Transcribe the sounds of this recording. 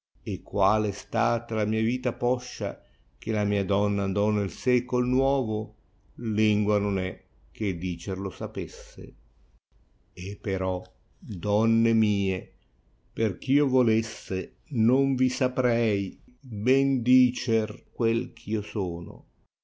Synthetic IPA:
ekːwaːlest̪aːt̪alamiːaviːt̪apɔʃːa̰ | k̟elamiːad̪ɔnːand̪ɔnelsɛːkolnwɔːvo | liŋɡwanonɛ | k̟ːed̪iːt͡ʃerlosapesːḛ | epːeɾɔ | d̪ɔnːemiːe | perk̟iːovolesːe | noɱvisapɾɛjbɛnd̪iːt͡ʃerkwelkʰiːosɔːno̰

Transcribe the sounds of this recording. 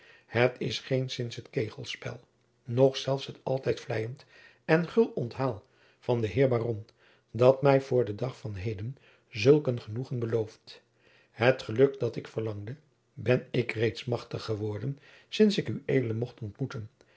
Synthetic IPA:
hətʰɪsχejnsɪnsɦətkejχəlˠspɛ̰lˠ | nɔχsɛlˠfsɦətɑ̰lˠtɛjtflɛjənt | ɛnχɵlˠɔntɦaːlˠ | v̥ɑndəɦɪːɹbaːrɔn | dɑtmɛjvʊːɹdədɑχfɑnɦejdən | zɵlˠkənχənuχənbəlowft | ɦətχəlɵkdɑtɪkfəɹlɑŋdə | bɛnɪkrejtsmɑχtəχəʋɔɹdən | sɪnsɪkyejdələmɔχtɔntmutən

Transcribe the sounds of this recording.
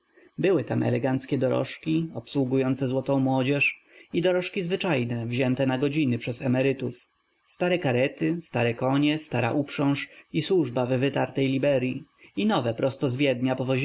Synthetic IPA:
bɘwɘt̪amʔɛ̰lɛɡant̪skʲɛd̪ɔɾɔ̰ʂkʲiɔpswuɡujɔnt̪sɛzwɔt̪ɔ̃w̃mwɔd͡ʑɛʂ | id̪ɔɾɔʂkʲizvɘt͡ʂajnɛvʑɛnt̪ɛnaɡɔd͡ʑinɘpʂɛzɛmɛɾɘt̪uf | st̪aɾɛkaɾɛt̪ɪst̪aɾɛkɔɲɛst̪aɾa̰ʔupʂɔ̃wʂiswuʐbavːɘt̪aɾt̪ɛjlʲibɛɾʲjiinɔvɛpɾɔst̪ɔzvʲjɛd̪ɲapɔvɔ

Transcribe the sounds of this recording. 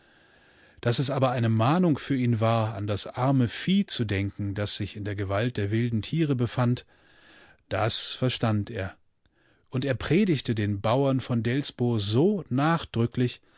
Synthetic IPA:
d̥asɛsʔaːbɐaɪnəmaːnʊŋfyːɐiːnvaːɐandasʔaɐməfiːt͡sudɛŋkŋ̩dasz̥ɪçɪndeːɐɡəvalt̚d̥eːɐvɪldn̩tʰiːʁ̞əbəfant | d̥asfɛɐʃtanteːɐ | ʔʊnteːɐpʁ̥eːɾɪçtədeːnbaʊɐnfɔndɛlsb̥ʊɐzoːnaːχd̥ʁʏklɪç

